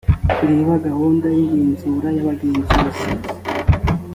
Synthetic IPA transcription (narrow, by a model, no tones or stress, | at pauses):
iɾeːβaɡahoːndajiɡeːnzuɾajaβaɡeːnzuβasi